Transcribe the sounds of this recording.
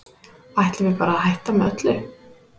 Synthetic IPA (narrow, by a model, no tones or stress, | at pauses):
ajht̪lɪvɪpaːɾaːhajht̪amɛœt̪lʏ